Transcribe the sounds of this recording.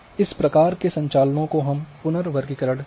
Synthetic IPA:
ɪspɾɐkaːɾkesɐ̃ɲt͡ʃaːlənõkoɦɐmpʊnəɾʋɐɾɡikɐɾəɽ

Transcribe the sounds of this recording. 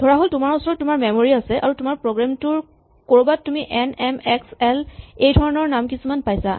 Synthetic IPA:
dʱɔɹaɦoltʊmaɹusɔɹɔt̚tʊmaɹmemoɹiasɛʔa̰ɹutʊmaɹpɹoɡɹamtʊɹ | koɹubatumiʔɛnɛmɛksɛlejdʱɔɹɔnɔɹnamkisumanpajsa̰

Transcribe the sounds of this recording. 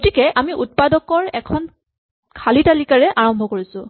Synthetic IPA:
ɡotikɛʔamiʔut̚padɔkɔɹɛkʰɔn | kʰalitalikaɹɛʔaɹɔmbʱɔkoɹisʊ̃

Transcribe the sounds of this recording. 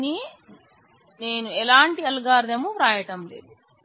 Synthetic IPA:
ni | ne̞ːnuɛlaːɳʈiɐlɡaːɾd̪ɐmupɾaːjɐʈɐmlḛːd̪u

